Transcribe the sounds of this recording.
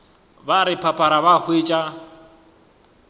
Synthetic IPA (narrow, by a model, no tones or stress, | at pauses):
baɾɪpʰapʰʼaɾabahwet͡ʃʼa